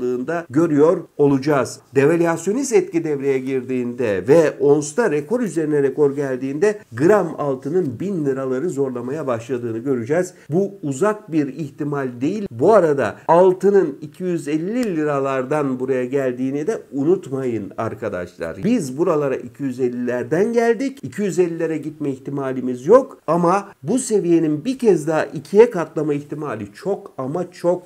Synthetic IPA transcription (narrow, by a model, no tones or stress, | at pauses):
lˠɯːnd̪aɟø̞ɾyjo̞ɾo̞lˠud͡ʒaːz̥d̪evelʲjasjo̞nist̪ɛt̪̚cid̪ɛvɾe̞jɛɟiɾd̪iːnd̪ɛvɛo̞nst̪ʰaɾekʰo̞ɾyze̞ɾinɛɾeko̞ɾɟælʲd̪iːnd̪ɛɡɯɾama̰lˠt̪ʰɯnɯnbinlʲiɾalˠaɾɯzo̞ɾlˠamajabaʃlˠad̪ɯːnɯɟø̞ɾyd͡ʒɛz | buːzak̚biɾiçt̪imalʲd̪e̞jilʲbuaɾad̪a̰ːlˠt̪ɯnɯnicʰijyzelʲːilʲiɾalˠaɾd̪anbuɾajaɟælʲd̪iːnid̪ɛunut̪majɯna̰ɾkʰad̪a̰ʃlˠa̰ɾbizbuɾalˠaɾa̰ʔicʰijyzelʲːilʲæɾd̪ænɟælʲd̪icicʰijyzelʲːilʲeɾɛɟit̪mɛiçt̪imaːlʲimizjo̞kamabuse̞vije̞ninbicʰɛzd̪aɦaʔicʰijɛkat̪lˠamaiçt̪imalʲit͡ʃʰo̞kamat͡ʃʰo̞k̚